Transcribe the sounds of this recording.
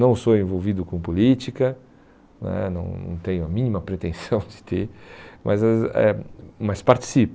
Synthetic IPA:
nɐ̃w̃soẽvowvid̪ʊkõpolit͡ʃikɐ | nɛ̰nɐ̰̃w̃nɐ̰̃w̃t̪ẽjʊɐmĩnimɐpɾet̪ẽsɐ̃w̃d͡ʒɪt̪emʔɐzɐɛ̰mɐspaɾt͡ʃi̥sip

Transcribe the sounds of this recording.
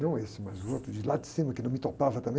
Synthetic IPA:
nɐ̃w̃esɪmɐzuot̪ɾʊd͡ʒɪlad͡ʒ̪ɪsĩmɐkɪnɐ̃w̃mɪt̪opavɐt̪ɐ̃mbẽ

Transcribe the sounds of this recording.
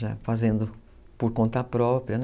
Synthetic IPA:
a̰fazẽnd̪ʊ | poɾkõnt̪ɐpɾɔpɾiɐn

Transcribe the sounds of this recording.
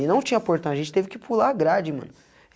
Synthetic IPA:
ɪnɐ̃w̃t͡ʃĩɲɐpoɾt̪ɐ̃w̃ɐʒẽnt͡ʃɪt̪evɪkɪpulaɡɾad͡ʒɪmɐ̰̃nʊ

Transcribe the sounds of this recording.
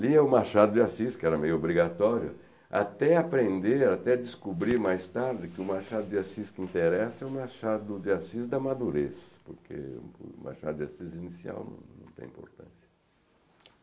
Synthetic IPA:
liɛʊmaɾʃad̪ʊd͡ʒɪasiskɪɛɾɐmejʊobɾiɡat̪ɔɾjʊ̰ | a̰t̪ɛapɾẽnd̪eɾat̪ɛd̪ɪskubɾiɾmajst̪aɾd͡ʒɪkɪʊmaɾʃad̪ʊd͡ʒɪasiskɪĩnt̪eɾɛsɐɛʊmaɾʃad̪ʊd͡ʒɪasizd̪ɐmad̪uɾesɐpʊɾkʰḛma̰ɾʃa̰d̪ʊd͡ʒasizinisia̰wnɐ̰̃w̃nɐ̰̃w̃t̪ḛ̃ḭ̃po̰ɾt̪ɐ̰̃sjɐ̥

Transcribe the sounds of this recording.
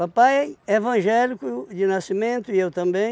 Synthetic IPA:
papajevɐ̃ʒɛlikʊd͡ʒɪnasimẽnt̪ʊiewt̪ɐ̃mbẽ

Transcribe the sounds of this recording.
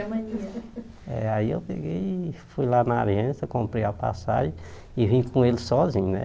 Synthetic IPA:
mɐ̃ɲiɐ | ɛ̰aiḛwpeɡejfujlanɐaliɐ̃sɐkõmpɾejɐpa̰sa̰ʒẽ | ɪvĩɲʊkõelɪsɔzĩɲʊnɛ̰

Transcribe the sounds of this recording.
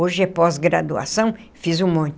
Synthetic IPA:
oʒɪɛpɔzɡɾa̰d̪ua̰sɐ̃w̃fizũmõnt̪

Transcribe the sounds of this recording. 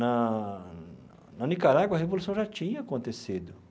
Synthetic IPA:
ɐ | nɐnikaɾaɡwɐɦevolusɐ̃w̃ʒat͡ʃĩɲɐːkõnt̪esid̪ʊ

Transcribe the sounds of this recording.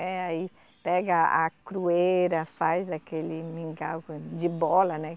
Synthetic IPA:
ɛai | pɛɡɐa̰kɾueɾɐfajzd̪akelɪmĩŋɡawkd͡ʒɪbɔlɐnɛ

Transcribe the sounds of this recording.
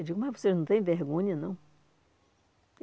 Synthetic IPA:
wd͡ʒiɡʊmɐzvoseʒnɐ̃w̃t̪ẽj̃veɦɡõɲɐnɐ̰̃w̃

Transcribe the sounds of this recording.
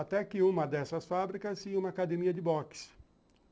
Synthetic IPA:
at̪ɛkɪũmɐd̪ɛsɐsfabɾikɐsːiũmɐːkad̪emiɐd͡ʒɪbɔks

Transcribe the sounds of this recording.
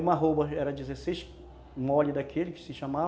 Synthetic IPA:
ũmɐɦobɐɛɾɐd͡ʒizesejʃ | mɔlid̪ɐkʰelɪkɪ̥sɪʃama

